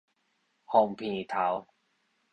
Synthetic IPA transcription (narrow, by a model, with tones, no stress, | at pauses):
hɔ˧˩ŋpʰiː˧˩t̪ʰa˨˧˦w